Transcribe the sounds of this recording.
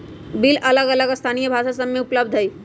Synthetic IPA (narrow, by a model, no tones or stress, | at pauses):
bilʔɐləɡələɡst̪ʰaːnijəbʱaːʃasəmːeʊpləbd̪ʱɦəi